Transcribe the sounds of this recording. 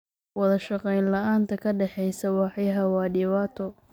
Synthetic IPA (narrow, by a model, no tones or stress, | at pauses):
wɑðɐʃɑqɛjnlɐʔaːnt̪ʰɐkʰɐɖɛħɛjsɐwɑħjɦɐwɑːɖɪβaːt̪ʰɔ